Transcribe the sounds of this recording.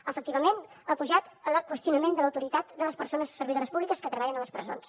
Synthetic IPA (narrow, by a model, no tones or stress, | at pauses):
əfək̚t̪iβəmen | əpuʒat̪ələkwəst̪iunəmend̪ələwt̪uɾit̪at̪d̪ələspərsonəzsəɾβiðoɾəspuβlikəskət̪ɾəβaʎənələspɾəzo̰ns